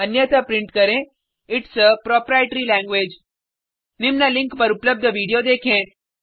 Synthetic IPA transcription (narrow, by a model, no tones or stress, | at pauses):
ənjət̪apɾiɳʈkəɾẽ | ɪʈsəpɾɔpɾajeʈɾilæ̃ŋɡʋed͡ʒ | nimnalĩŋkpəɾupləb̚d̪ʱəʋiɽijod̪ekʰẽ